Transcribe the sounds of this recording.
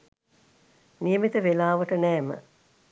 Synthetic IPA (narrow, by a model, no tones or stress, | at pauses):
nijəmit̪əʋelaːʋɐʈənɛːmə̰